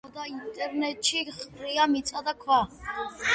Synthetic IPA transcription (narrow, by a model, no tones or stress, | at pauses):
ad̪aint̪ʼɛɾnɛt͡ʃʰiχrijamit͡sʼad̪akʰwa